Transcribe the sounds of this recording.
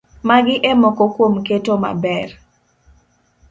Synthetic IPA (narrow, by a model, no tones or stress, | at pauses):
maɡɪʔemɔkɔkwomketoma̰bɛr